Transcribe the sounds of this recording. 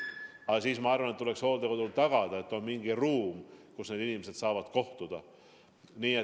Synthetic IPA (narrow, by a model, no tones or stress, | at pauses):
ɑɑsiːsmɑɑrvɑnet̪ːuleksho̞ːld̪ekod̪ult̪ɑɡ̥ɑd̪̥ɑe̞t̪ːˑo̞nmiŋɡ̥iruːmkusne̞ːd̪inimese̞d̪̥sɑːvɑd̪̥ko̞ht̪ud̪̥ɑ | niːe